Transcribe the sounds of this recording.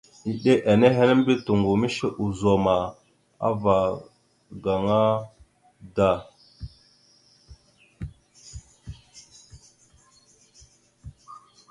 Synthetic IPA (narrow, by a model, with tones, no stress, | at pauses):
i˨ɗe˦ʔa˨ne˦ɦe˦ne˦m˦bi˦tu˨ŋɡu˨mi˦ʃe˦ʔu˨zo˨ma˨ | a̰˦va˨ | ɡa˨ŋa˦ | da˦˨